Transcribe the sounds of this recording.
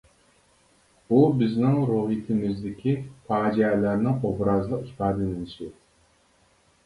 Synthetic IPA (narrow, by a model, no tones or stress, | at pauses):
ubɪznɪŋɾuːhit̪ʰɪmɪzd̪ɪkʲʰifʰɑːd͡ʒɛlæɾnɪŋobɾɑzlˠəqipɑːd̪ɪnɪnɪʃɪ